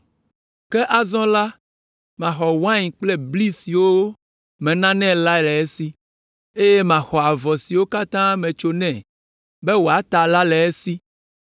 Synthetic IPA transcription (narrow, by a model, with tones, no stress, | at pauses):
kɛ˦ʔa˨zɔ̃˦la˦ | mã˨xɔ˨wã˦ɲĩ˨k͡plɛ˦bli˦si˨wo˦ | mɛ̃˨nã˦nɛ̃˦la˦˨lɛ˨e˦si˦ | e˦je˦mã˨xɔ˨a˨vɔ˨si˨wo˦ka˦t̪ã˦mɛ̃˨t͡ʃo˦nɛ̃˦˨ | bɛ˦wo˨a˨t̪a˨la˦lɛ˨e˦si˦